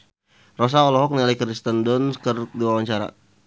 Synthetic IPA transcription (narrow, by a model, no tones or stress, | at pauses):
rɔs̬aɔlɔɦɔk̚nilaikəɾist̪əndɔnkərdiwawaɲt͡ʃaɾa̰